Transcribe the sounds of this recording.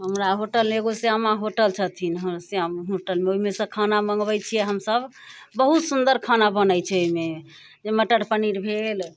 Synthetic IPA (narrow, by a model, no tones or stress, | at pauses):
ɦəmɾaɦoʈəleɡoseɦəmaɦoʈəlt͡ʃʰət̪ʰinɦseəɦoʈəlmeoɦimesə̃kʰanaməŋɡbɛjt͡ʃʰijɛɦəmsəb | bəɦut̪sund̪əɾkʰanabənəjt͡ʃʰɛoime | d͡ʒeməʈəɽpəniɾbʱel